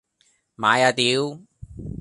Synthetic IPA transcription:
maː˨˥jaː˨˧˩t̪iː˨˥w

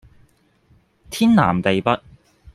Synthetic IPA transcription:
t̪ʰiː˥nla̰ː˨˩mt̪e˨jpɐ˦˥t̚

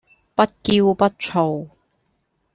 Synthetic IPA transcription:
pɐ˥t̚ki˧wpɐ˥t̚t͡ʃʰo˨˩w

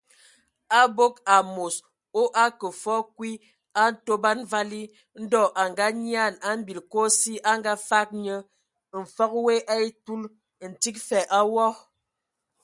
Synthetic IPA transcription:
a˦bo˦ka˨mo˨s | o˦ʔa˦kə˨fɔ˦kwi˦ | a˦n̩˦to˦ba˦nva˦li˦ | n̩˦dɔ˦˨ʔa˨ŋɡa˦ɲi˦a˦˨na˦m̩˦bi˨lko˦si˦ʔa˦ŋɡa˦fa˦k̚ɲə˦ | m̩˨fɔ˦k̚we˦ʔa˦i˦tu˦l | n̩˨ti˦k̚fɛ˨ʔa˦wɔ˦

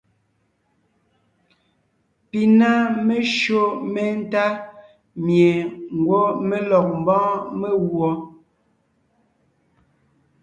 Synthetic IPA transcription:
pi˨na˦me˦ʃo˦me˦n̩˦ta˦ | mje˨ŋ̩˨ɡwɔ˦me˦lɔ˨k̚m˨bɔ̃ː˦me˦ɣwɔ˦

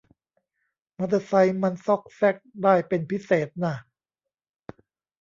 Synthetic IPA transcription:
ma˧˥t̪a˧sa˧jma˧nsɔ˦˥˩k̚sɛ˥˩k̚daː˥˩jpe˧npʰi˦˥seː˨˩˦t̪̚na˧˩

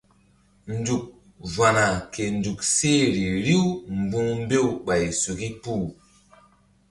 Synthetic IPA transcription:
n˦du˨k̚ | va˨na˨ke˨n˨du˨k̚se˦˨ɾi˨ɾi˦wm˨bu˦ŋm˦be˦wɓa˨jsu˨ki˦pu˦˨

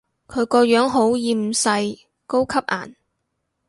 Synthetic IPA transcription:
kʰɵ˨˧ɥkɔː˧jœː˨˥ŋɦo˨˥wjiː˨˧m̩˨˩sɐ˧j | ko˥wkʰɐ˥p̚ʔa̰ː˨˩n

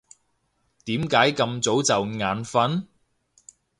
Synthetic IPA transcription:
t̪iː˨˥mkaː˨˥jkɐ˧mt͡so˨˥wt͡sɐ˨wŋaː˨˥nfɐ˨˥n

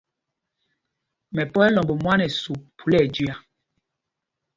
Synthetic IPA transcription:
mɛ˨pɔ˦ɛ˦lɔ˨mbɔ˨mwa˦nɛ˨su˨pʰu˨lɛ˦˨d͡ʒi˦a˨

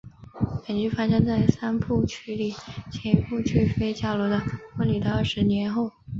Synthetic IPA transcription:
pə˨˩nt͡ɕy˥˩fa˥ʂɤ˥ŋt͡sa˥˩ɪsa˥npʰu˥˩t͡ɕʰy˥li˨˩˦t͡ɕʰjɛ˧˥npʰu˥˧t͡ɕʰy˥˩fe˥ɪt͡ɕja˥˩lwɔ˧˥d̪ə˧kwə˧˥nly˨˩d̪ə˧ə˞˥˩ʂɻ̩˧˥njɛ˧˥nxo˥˩ʊ

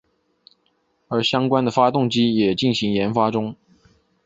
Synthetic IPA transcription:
ə˞˧˥ɕjɑ˥ŋkwa˥nd̪ə˨fa˥t̪ʊ˥˩ŋt͡ɕi˥jɛ˨˩t͡ɕi˥˩nɕi˧˥ŋjɛ˧˥nfa˥ʈ͡ʂʊ˥ŋ

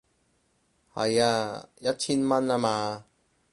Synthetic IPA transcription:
hɐ̰˨jaː˧jɐ˦˥t̚t͡ɕʰiː˥nmɐ˥na˧maː˧

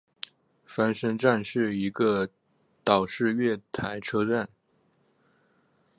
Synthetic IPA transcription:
fa˥nʂə˥ŋʈ͡ʂa˥˧nʂɻ̩˥˩i˧˥ɡə˧ | t̪ɑ˨˩ʊʂɻ̩˥˧ɥɛ˥˩t̪ʰa˧˥ɪʈ͡ʂʰɤ˥ʈ͡ʂa˥˩n

